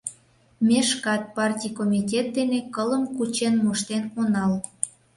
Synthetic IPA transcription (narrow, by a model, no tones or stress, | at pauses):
mʲeʃkɑt̪̚pɑrtʲijkomʲitʲet̪̚d̪enekələmkut͡ɕenmoʃt̪enonɑl